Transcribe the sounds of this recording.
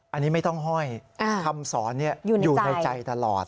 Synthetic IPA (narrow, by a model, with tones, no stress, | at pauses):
ʔa˧nːiː˦˥ma˥˩jt̪ɔ˥˩ŋɦɔ˥˩jʔa˧˩tʰa˧msɔː˩˦nːi˥˩ɐjuː˨˩juː˨˩na˧jt͡ɕa˧jt̪a˧lɔ̰ː˨˩t̪̚